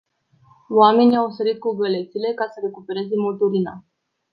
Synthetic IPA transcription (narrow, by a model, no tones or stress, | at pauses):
wame̞niawsəɾit̪̚kuɡəle̞t̪sile̞kasəɾe̞kupe̞ɾe̞zemolt̪uɾina̰